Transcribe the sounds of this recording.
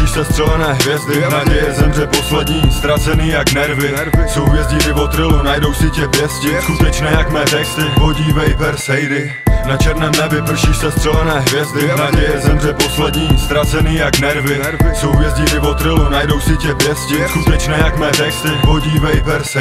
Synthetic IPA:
iʃsɛst̪r̥ɛlɛnɛːɦvjɛzdɪnaɟɛjɛzɛmr̝ɛpo̞slɛdɲiːst̪ɾat͡sɛniːjaɡnɛɾvɪ | so̞wvjɛzɟɪt̪ɪvot̪ɾɪlunajdo̞wsɪcɛvjɛscɪskut̪ɛt͡ʃnɛːjakmɛːrɛsɪɦoɟiːvɛjbɛɾsɛjɾɪ | nat͡ʃɛɾnɛːmnɛbɪpr̩ʃiʃsɛst̪r̥ɛlɛnɛːɦvjɛzd̪ɪnaɟɛjɛzɛmr̝ɛposlɛdɲiːst̪ɾat͡sɛniːjaɡnɛɾvɪ | sowvjɛzɟɪt̪ɪvot̪ɾɪlunajdo̞wsɪcɛvjɛscɪskut̪ɛt͡ʃnɛːjakmɛrɛkt̪ɪɦoɟiːvɛjbɛɾs

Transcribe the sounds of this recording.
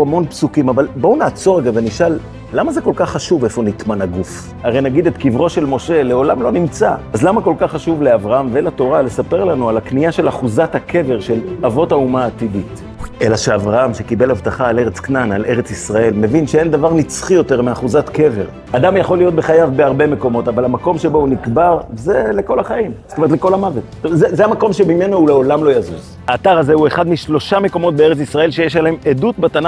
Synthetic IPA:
amo̞npsukimavalbounaːt͡so̞ʁeɡaveniʃalː | amaze̞ko̞lkaχːaʃuve̞fo̞nit̪manaɡuf | aʁejnaɡid̪et̪kivʁo̞ʃe̞lmo̞ʃe̞le̞o̞lamlo̞nimt͡saazlamako̞lkaχːaʃuvle̞avʁaamvelato̞ʁale̞sape̞ʁlanualaknijaʃe̞laχuzathakʰe̞ve̞ʁʃe̞lavo̞taumaːt̪idit | ʔe̞laʃeavʁaamʃekibe̞lhavt̪aχaːle̞ʁe̞t͡sknana̰le̞ʁet͡sisʁae̞lme̞vinʃee̞ndavaʁnit͡sχijo̞te̞ʁmeaχuzatke̞ve̞̰ʁ | ad̪amjaχo̞lijo̞t̪̚be̞χajavbe̞aʁbe̞me̞ko̞mo̞tavalhamako̞mʃe̞bo̞unikbaʁvezeleko̞laχajimse̥t̪ometleko̞lamavetozezeamako̞mʃemime̞nouleo̞lamlo̞jazuz | haːt̪aʁaze̞ueχad̪miʃlo̞ʃame̞ko̞mo̞t̪̚beeʁet͡sisʁae̞lʃejeʃ̬alahemedut̚bat̪ana

